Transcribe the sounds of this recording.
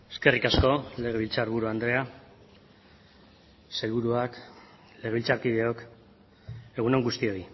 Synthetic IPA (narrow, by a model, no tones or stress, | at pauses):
e̞ske̞rikasko̞le̞ɣ̞e̞βilt͡saɾβuɾuand̪ɾe̞a | se̞lβuɾuak | le̞ɣeilt͡saɾkiðe̞ok | e̞ɣuneŋɡust̪io̞i